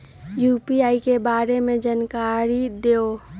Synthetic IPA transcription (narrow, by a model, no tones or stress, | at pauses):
juːpiaːikebaːɾemẽd͡ʒankaːɾid̪eːo